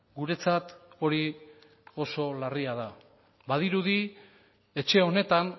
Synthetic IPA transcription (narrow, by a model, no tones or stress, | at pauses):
ɡuɾe̞t͡sat̪o̞ɾi | o̞so̞lariaða | bað̞iɾuði | e̞t͡ʃe̞o̞ne̞t̪an